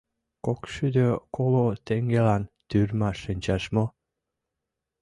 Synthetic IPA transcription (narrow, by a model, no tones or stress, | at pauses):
kokʃyd̪økolot̪eŋɡelɑnt̪yrmɑʃənʲt͡ɕɑʃmo